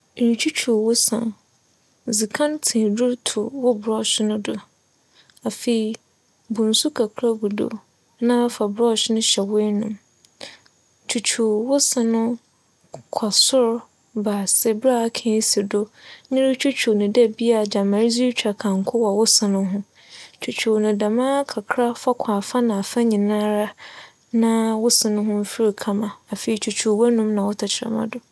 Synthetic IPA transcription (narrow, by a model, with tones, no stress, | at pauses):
ɾi˨t͡ɕʰu˦t͡ɕʰu˨wʊ˦sã̰˨ | zi˨kʰã˦ntʰĩ˨dʊ˦ɾtʰʊ˨wʊ˦bɾɔ˦˨ɕɪ˦nʊ̃˦dʊ˦ | a˨fe˨i˨ | bʊ̃˨n̩˨su˦kʰa˨kʰɾa˦ɡu˨do̰˨˦ | nã˦fa˨bɾɔ˦˨ɕɪ˦nʊ̃˦ɕɛ˨we˦nʊ̃˦m | t͡ɕʰu˨t͡ɕʰu˨wʊ˦sã˨nʊ̃˦ | kʰa˨sʊ˦ɾ | baː˨sɪ˦bɾa˦˨˦kʰɛ̃˨˦si˨dʊ˦ɲɪ̃˦ɾɪ˦t͡ɕʰᶣu˦t͡ɕᶣʰu˨nɪ̃˨dɛ˦bi˦a˦˨d͡ʑa˨mã˨ɾzi˦t͡ɕᶣa˨kʰã˨ŋ̩˨˦kʰʊ˦wɔ˨wʊ˦sɪ̃˨nʊ̃˦ɦʊ̃˦ | t͡ɕʰu˨t͡ɕᶣʰu˨nʊ̃˨da˨mãː˦kʰa˨kʰɾa˦fa˦kʷʰaː˨fa˦nã˨a˨fa˦ɲĩ˨nã˦ɾa˦ | nã˦wʊ˦sɪ̃˨nʊ̃˦ɦʊ̃˦m̩˦fi˦ɾi˨kʰa˦mã˨a˨fe˨i˨t͡ɕʰu˨t͡ɕʰu˨wɛ˦nũ˦mnã˨wʊ˦tʰa˨t͡ɕʰɪ˨ɾa̰˨mã̰˦dʊ˦